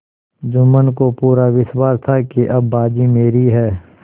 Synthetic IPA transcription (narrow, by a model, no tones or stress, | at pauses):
d͡ʒʊmənkopuːɾaʋɪswaːst̪ʰakeʔɐbːaːd͡ʒimeːɾiɦɛː